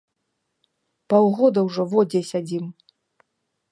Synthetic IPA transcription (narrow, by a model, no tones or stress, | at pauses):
pawɣɔd̪ɐwʐɔvɔd͡zʲɛsʲad͡zʲim